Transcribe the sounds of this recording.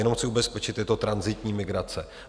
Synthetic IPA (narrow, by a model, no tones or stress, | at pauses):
ɛno̞mxt͡sɪubɛspɛt͡ʃɪt̪ːɛt̪ot̪ɾanzɪt̪ɲiːmɪɡɾat͡sɛ